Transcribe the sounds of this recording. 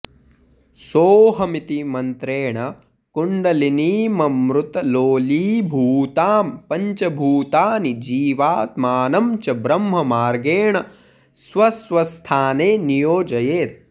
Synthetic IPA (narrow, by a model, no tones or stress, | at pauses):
soːɦɐmit̪imɐnt̪ɾeːɳɐ | kuɳɖɐliniːmɐmɾut̪ɐloːliːbʱuːt̪aːmpɐɲt͡ʃɐbʱuːt̪aːnid͡ʒiːʋaːt̪maːnɐmt͡ʃɐbɾɐmɦɐmaːɾɡeːɳɐ | sʋɐsʋɐst̪ʰaːneːnijoːd͡ʒɐjeːt̪̚